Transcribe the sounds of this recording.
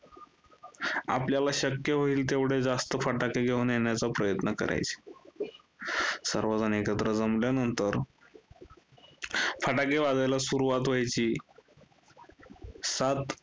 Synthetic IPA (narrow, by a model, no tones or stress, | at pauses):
a̰pljalaɕəkjəɦoiːlt̪̬eʋɽed͡zast̪əfəʈakeɡʱeunjeɳjat͡sapɾəjət̪nəkə̰ɾʔa̰jt͡se̥ | səɾʋod͡zanekət̪ɾəd͡zəmljanənt̪əɾ | fəʈakeʋad͡z̪ajlasuɾuʋat̪ʋ̤ajt͡ɕiː | sat̪